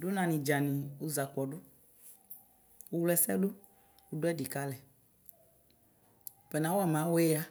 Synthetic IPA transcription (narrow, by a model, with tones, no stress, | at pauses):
ɖo˦nã˨nĩ˨d͡ʒa˨nĩ˨wu˦za˨k͡pɔ˨ɖo˦ | wu˦wlɛ˦sɛ̰˦lo˦ | u˦ɖo˦ɛ˦di˨ka˦lɛ˨ | pɛ˨nã˨˦wo˦ɛ˦˨mã˨˦wɛ˦a˦